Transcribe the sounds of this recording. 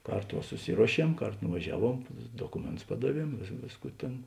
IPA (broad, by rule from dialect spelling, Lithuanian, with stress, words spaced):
ˈkɐrˌtoː ʋɐ sʊˈsʲɪruɔˌʃʲiɛm ˈkɐrˌtoː nʊʋɐˈʒʲæːˌʋuɔm ˈdoːkʊmʲeːnˌtʊs ˈpɑːdɐˌʋʲiɛm ˈʋʲeːsˌkuː ˈtʲeːn